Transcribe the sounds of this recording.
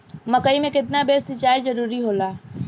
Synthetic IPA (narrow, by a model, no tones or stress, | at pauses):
məkəimẽket̪nabesit͡ʃaid͡ʒəɾuɾiɦola